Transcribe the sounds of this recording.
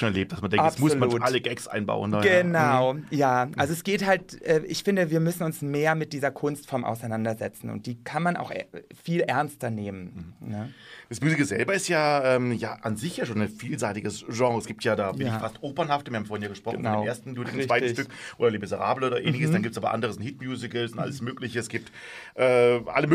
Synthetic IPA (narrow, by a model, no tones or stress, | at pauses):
oːnɛɐleːp̚td̥asmandɛŋatsmʊslmauːʔaləɡɛksʔa̰ɪnba̰ʊəndaənaʊjaːʔalzoɛsɡ̥eːthaltʔɛːʔɪçfɪndəviːɐmʏsn̩ʊnsmeːɐmɪt̚d̥iːzɐkʰʊnstfɔɐmʔa̰ʊsaɪnandɐzɛt͡sn̩ʊ̰nt̚d̥iːkʰanmanʔa̰ʊxʔɛ̰fiːlʔɛɐnstɐneːmənnəd̥asmyːzɪkəzɛ̰lbɐɪstjaːʔɛːmja̰ːʔanzɪçjaːʃoːnaɪnfiːlzaɪtɪɡəsʒɑ̃ːʁəɛsɡ̥iːptjaːdaːvɐklɪfastʔoːpɐnhaftəviɐham̩foːɐhɪnjaːɡəʃpʁ̥ɔn̩nanʊeːɐstn̩dʊɐtɪɡŋ̩t͡svaɪttʏk̚ʔoːdɐleːbezəʁa̰ːbləoːdɐʔḛːnɪçəsd̥anɡiːptsʔaːbɐ̰ʔa̰ndəʁəzɪnthɪtmjuːzɪkl̩sʊntʔa̰ləsmøːklɪçəɛsɡ̥iːp̚t | ʔɛːʔa̰ləmø